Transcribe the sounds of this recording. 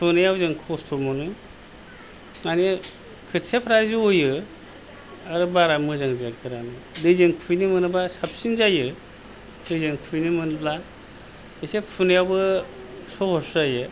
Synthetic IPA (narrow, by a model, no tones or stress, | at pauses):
pʰunɯjawzɯŋkʰɔstʰomɔnɯ | ŋane | kʰɯtsepʰɾaziojɯ | aɾɯbaɾamɯzaŋzaɡɯɾanɯdɯjzɯŋpʰujnimɯnɯbasap̚sinzajɯ | dɯzɯŋpʰujnimɯnɯpla | esepʰunɯjawbɯ | sɔhɔszajɯ